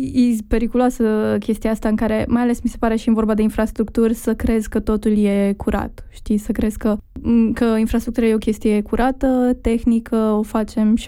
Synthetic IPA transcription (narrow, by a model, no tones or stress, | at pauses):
ipe̞ɾikuloasəkʲe̞st̪ijaast̪aɨŋkaɾe̞majale̞smise̞paɾe̞ʃinvo̞rbad̪e̞infɾast̪ɾukt̪urʲsəkɾe̞zkət̪o̞t̪ulje̞kʰuɾʔa̰t̪ʃt̪isəkɾe̞zkəkəinfɾast̪ɾuk̚t̪uɾaje̞okʲe̞st̪ije̞kuɾʔat̪ət̪e̞xnikʰəo̞fat͡ʃe̞mʃ